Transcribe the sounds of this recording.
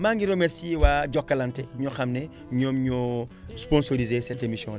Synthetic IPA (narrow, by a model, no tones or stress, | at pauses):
maːŋɡiɾomɛsiwaɟɔkːɐlɐntɛɲɔxɐmnɛ | ɲɔːmɲɔ | spɔ̃nsoɾizesɛtemisjɔ̰̃ŋl